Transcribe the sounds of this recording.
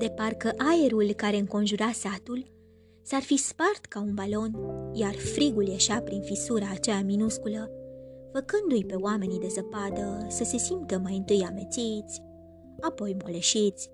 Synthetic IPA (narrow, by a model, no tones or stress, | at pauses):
d̪e̞parkəʔaje̞ɾulkaɾe̞ɨŋko̞nʒuɾasat̪ul | sarfispart̪kaunbalo̞njarfɾiɡuljeʃapɾinfisuɾaːt͡ʃeaminuskuləfəkɨnd̪ujpe̞oame̞nid̪e̞zəpad̪əsəse̞simt̪əmajɨnt̪ɨjame̞t̪sit̪sʲ | apo̞jmoleʃit̪sʲ